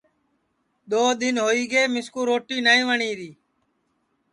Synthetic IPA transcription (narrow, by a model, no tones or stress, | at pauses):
ɗ̪oːd̪ɪnɦoːiːɡeːmɪskuːɾoːʈiːnaːĩːʋəɳiːɾiː